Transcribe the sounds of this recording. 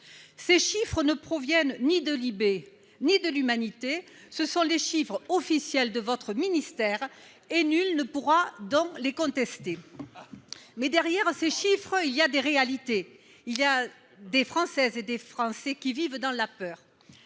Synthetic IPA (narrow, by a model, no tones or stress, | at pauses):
seʃifχənəpχɔvjɛnnid̪əlibe | nid̪əlymanit̪e | səsɔ̃leʃifχəɔfisjɛld̪əvɔt̪χəminist̪ɛʁ | enylnəpuʁad̪ɔ̃lekɔ̃t̪ɛst̪e | mɛd̪ɛʁjɛʁseʃifχəiliad̪eʁealit̪e | ilja | d̪efχɑ̃sɛzed̪efχɑ̃sɛkʲivivd̪ɑ̃lapœːʁ